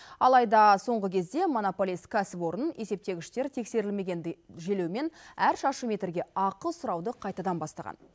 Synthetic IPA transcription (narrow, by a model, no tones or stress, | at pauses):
ɑlˠɑjd̪ɑso̞ɴʁəkʲʰe̞zd̪e̞mo̞nopolʲiskʲʰæsɪpwo̞ɾəne̞se̞p̚t̪e̞ɡʲɪʃt̪e̞ɾt̪ʰe̞kse̞ɾɪlme̞ɡʲenʒe̞le̞wme̞næɾʃɑʃəme̞t̪ɾɡʲe̞ɑqəlˠsʊɾɑwd̪əqʰɑjt̪ɑd̪ɑnbɑst̪ɑʁɑ̰n